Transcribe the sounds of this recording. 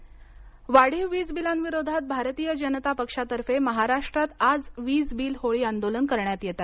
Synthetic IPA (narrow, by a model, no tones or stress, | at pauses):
ʋaɽ̤iʋiːd͡zbilanʋiɾod̪ʱat̪̚bʱaɾt̪iːjəd͡ʑənət̪apəkʂat̪əɾfeməɦaɾaʂʈɾat̪ad͡zʋiːd͡zbiːlɦoɭiːand̪olənkəɾɳjat̪jet̪at̪